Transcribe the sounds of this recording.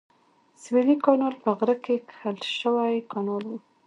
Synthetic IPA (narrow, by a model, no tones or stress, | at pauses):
swelikɑnɑlpəɣɾəkekxəlʃəwajkɑnɑlwu